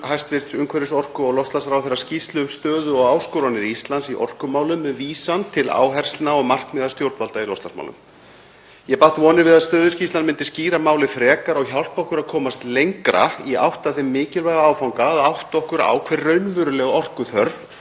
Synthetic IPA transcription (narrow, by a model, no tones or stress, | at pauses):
hajst̪vɪɾ̥t̪sʏŋkʰvɛɾɪsɔr̥kʏɔɣlɔwst̪lasɾawθɛrːḁscist̪lʏʏmst̪œːðʏɔɣaːwskowɾanɪɾiist̪lansiʔɔ̰r̥kʏmaːwlʏmviːsant̪ʰɪla̰ːwɦɛr̥st̪naɔɣmar̥kmɛːðast̪jowɾt̪valt̪ailɔwst̪lasma̰wlʏ̰m | jɛpaht̪vɔːnɪɾvɪðaðst̪œːðʏscist̪lanmɪnt̪ɪsciːɾamaːwlɪfɾɛːkaɾɔɣçawl̥pɔhkʏɾaðkʰɔːmast̪lejŋkɾa̰ia̰wht̪aθɪmːɪːcɪlvajɣaaːwfawŋkaːðawht̪ɔhkʏɾa̰ːwkʰvɛrːœɥnvʏɾʏlɛɣɔr̥kʏθœɾv